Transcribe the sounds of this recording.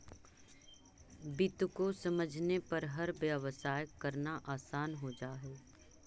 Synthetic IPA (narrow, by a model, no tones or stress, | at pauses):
bɪt̪ʊkosɐməd͡ʒʱnepɐɾɦɐɾʋjəʋəsaːjəkːɐɾnaʔaːsaːnɦod͡ʒaːɦoː